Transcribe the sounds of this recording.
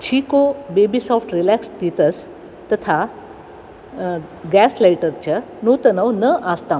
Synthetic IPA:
t͡ɕʰikobebisɔfʈɾilæksʈit̪əs | t̪ət̪ʰa | ɡɛslajʈəɾt͡ɕə | not̪ənəwnəʔast̪a

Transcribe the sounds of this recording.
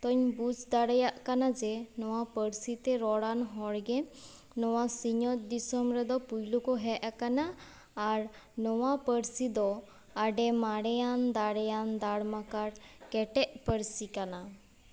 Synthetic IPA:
t̪ɔɲbut͡ʃd̪aɽajaʔkanad͡ʒɛnɔwapəɾsit̪ɛɾɔɽanɦɔɽɡɛ | nɔwasiɲɔt̪̚d̪isɔmɾɛd̪ɔpujlukɔɦɛʔakanaː | ɾ | nɔwapəɾsid̪ɔ | aɖɛmaɽɛjand̪aɽɛjand̪aɽmakaɾkɛʈɛʔpəɾsikana

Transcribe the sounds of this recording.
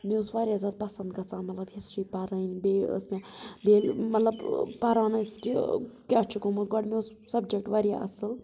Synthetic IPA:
meusʋaɾjazaːd̪̚pɐsɐnd̪ɡɐt͡sãːmɐt̪lɐbɦisɾipɐɾəjnbeə̰smebelmɐt̪lɐbpɐɾaːnɐskikat͡ʃʰikomuɾɡaɖmews | sɐb̚d͡ʒek̚ʈʋaɾija̰ʔɐ̰sɨl

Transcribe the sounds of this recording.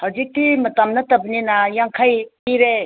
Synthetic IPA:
hɐwd͡ʒik̚timɐtamnɐtɐbininɐjaŋkʰajpiɾe

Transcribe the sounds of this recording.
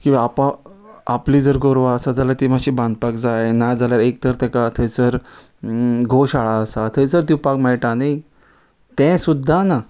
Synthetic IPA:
kĩwʋaːpã | apliːd͡zəɾɡoɾʋaəsad͡zalaɾt̪iːm̤aɕiːbãnd̪̚pakd͡zajnad͡zaljaɾek̚t̪əɾt̪ɛ̃kat̪ʰət͡səɾ | ɡʱoɕaɭaəsat̪ʰət͡səɾt̪ipakmɛɭʈanaj | t̪ɛ̃sud̪ʱːana

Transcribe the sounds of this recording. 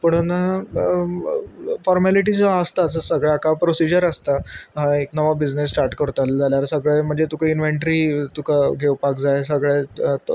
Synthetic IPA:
pəɽ̤ona | fɔɾmæliʈ̬iːd͡zaəst̪aːsəsəɡɭeakapɾosid͡ʑəɾəst̪aɦaeknəʋabid͡znesːʈaɾʈkəɾt̪ald͡zaljaɾsəɡɭem̤əɳd͡zet̪ukainʋeɳʈɾit̪ukaɡʱewpakd͡zajsəɡɭet̪

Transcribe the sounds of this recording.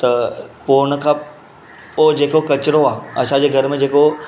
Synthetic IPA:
t̪ɐpoːñə̆kʰã | oːd͡ʑeːkokɐt͡ɕɪɾoaːɐsãd͡ʑeːɡʱɐɾmẽd͡ʑeːko

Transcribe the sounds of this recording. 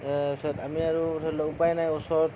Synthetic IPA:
satamiaɹudʰʱɔɹilɔʊpajnajɔsɔɹt

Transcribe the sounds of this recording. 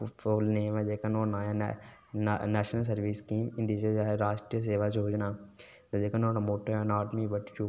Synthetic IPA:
foːlneʋɛ̃d͡ʒeːkənoːnaːjã̰ | nɛːʃnəlsɐɾʋiːskiːmɪ̃nd̪id͡ʒed͡ʒaːɦeɾaːʃʈɾijəs̬eːʋaːd͡ʒoːd͡ʒnaː | t̪ɐd͡ʒeːkənonamoːʈʰːoːãnaːʈmiʋəʈt͡ʃu

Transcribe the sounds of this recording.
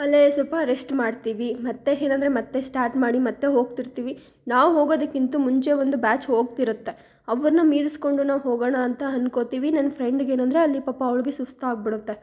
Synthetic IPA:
ɐlːesɐlpɐːɾesʈmaːɖt̪iːʋimɐt̪ːe̞eːnɐnd̪ɾe̞mɐt̪ːe̞sʈaːɾʈmaːɽimɐt̪ːe̞ɦo̞ːɡt̪iɾt̪iːʋi | naːʋɦo̞ːɡoːd̪ɐkːint̪umuɲt͡ʃe̞ʋond̪ubaːt͡ʃɦo̞ːɡ̚t̪iɾut̪ːe̞ | ɐʋɐɾnɐmiːɾisko̞ɳɖunaːʋɦoːɡɐɳɐːnt̪ɐɐnkot̪iːʋinɐnɐpʰɾeɳɖɡe̞ːnɐnd̪ɾeɐlːipɐːpːɐɐʋɭiɡesust̪ʰaːɡ̚biɽut̪ːe̞

